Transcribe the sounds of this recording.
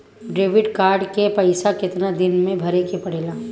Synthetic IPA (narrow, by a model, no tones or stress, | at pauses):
ɖɾeːʋɪɖkaːɾɖkepɐɪsakɪt̪nad̪ɪnmẽbʱɐɾekepɐɽ̤eːlaː